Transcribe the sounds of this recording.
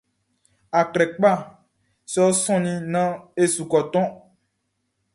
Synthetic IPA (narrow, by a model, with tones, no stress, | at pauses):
a˨klɛ˨k͡pa˦˨ | se˦o˦sɔ̃˦nĩ˦nã˦e˦su˨kɔ˨t̪ɔ̃˦